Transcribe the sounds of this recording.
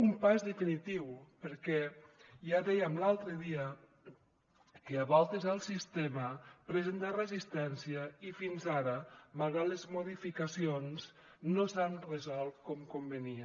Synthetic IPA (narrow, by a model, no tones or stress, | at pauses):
umpazðefinit̪iwpeɾkɛjaðɛjamlalˠt̪ɾeðiə | keaβɔlˠt̪ezalˠsist̪eməpɾezent̪arezist̪ɛnsiəifinzaɾəmalɣalezmoðifikasionz | nosanrezɔlˠt̪̚kɔmkombeniə